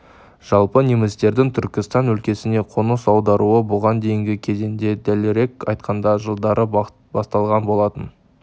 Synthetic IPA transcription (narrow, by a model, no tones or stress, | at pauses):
ʒ̥ɑlˠpənemɪzt̪e̞ɾd̪ɪŋt̪ʰʏɾkʲɪst̪ɑnwɵlkʲe̞sɪne̞qʰonəsɑwd̪ɑɾʔuəbʊʁɑnd̪e̞jɪŋɡʲɪkʲʰe̞zend̪e̞d̪ælɪɾe̞kɑjt̪qʰɑnd̪ɑʒəlˠd̪ɑɾʔə | bɑst̪ɑlˠʁɑnbo̞lˠɑt̪ən